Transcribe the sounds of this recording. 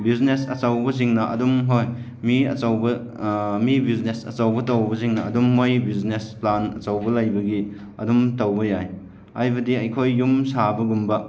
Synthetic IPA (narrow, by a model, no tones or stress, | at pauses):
biznesɐ̰t͡ʃawbɐs̬iŋnɐʔɐ̰dumɦoj | miɐ̰t͡ʃawbɐ | mibiznesɐ̰t͡ʃawbɐtɐwbɐziŋnɐɐ̰dumːojbiznesplanɐ̰t͡ʃawbɐlɐjbɐɡi | ɐ̰dumtawbɐjaj | ajbɐdiɐjkʰojːumsabɐɡumbɐ